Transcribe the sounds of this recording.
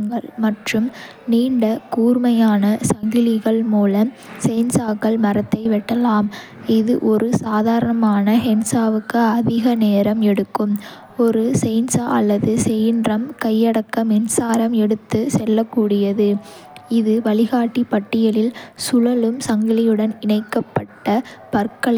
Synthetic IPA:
ŋɡɐɭmɐʈrɯm | niːɳɖɐkuːrmɐjaːnɐsɐŋɡɪlɪɣɐɭmuːlɐm | sɛjnsaːkːɐɭmɐɾɐt̪ːɐɪʋɪʈːɐlaːm | ɪðɯʔɔɾɯsaːðaːɾɐɳɐmaːnɐɦɛnsaːʋɯkːɯɐðɪɣɐneːɾɐmɛɽɯkːɯm | ɔɾɯsɛɪnsaːʔɐ̰lːɐðɯsɛjndrɐmkɐjːɐɽɐkːɐmɛnsaːɾɐmɛɽɯt̪ːɯsɛlːɐkːuːɽɪjɐðɯ | ɪðɯʋɐɭɪɣaːʈːipɐʈːɪjɐlɪlsʊɻɐlɯmsɐŋɡɪlɪjɯɽɐnɪɳɐɪkːɐpːɐʈːɐpɐɾkɐɭɐ

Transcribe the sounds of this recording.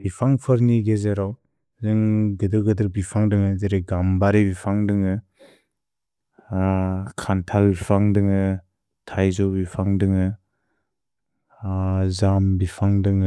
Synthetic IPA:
bipʰaŋpʰɯɾniɡezeɾaw | zɯŋɡɯdɯɡɯdɯɾbipʰaŋdɯŋɯzeɾeɡambaɾebipʰaŋdɯŋɯ | kʰantʰalbipʰaŋdɯŋɯ | tʰajzɔbipʰaŋdɯŋɯ | zambipʰaŋdɯŋɯ

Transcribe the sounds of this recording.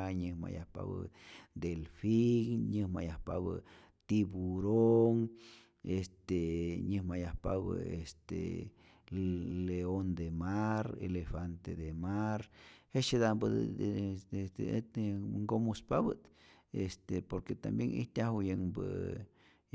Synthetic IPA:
ɲɨhma̰ja̰hpa̰bɨ̰d̪elfiŋɲɨhmajahpaβə̰ | t̪ibuɾoŋ | est̪eɲɨhmajahpaβə̰est̪ḛ | leond̪emaɾḛlefant̪ed̪emaɾhet͡ʃed̪abɨ | ŋɡomuspabɨt̪est̪epoɾket̪ambjeŋḭht̪ʲjahujeŋbɨ̰

